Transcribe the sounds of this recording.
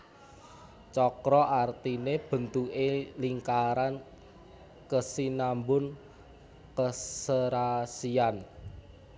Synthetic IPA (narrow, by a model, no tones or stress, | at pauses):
t͡ʃɔkɾɔʔart̪ineb̥ə̤nt̪uʔeliŋkaɾan | kəsinambʊn | kəsəɾasian